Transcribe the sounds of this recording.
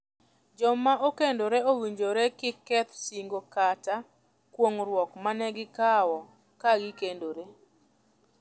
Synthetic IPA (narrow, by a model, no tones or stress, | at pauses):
d͡ʒɔmaʔokendoɾɛowiɲd͡ʒoɾɛkɪkɛt̪siŋɡokata | kwoŋɾwɔkmanɛɡɪkawɔ | kaɡikendoɾe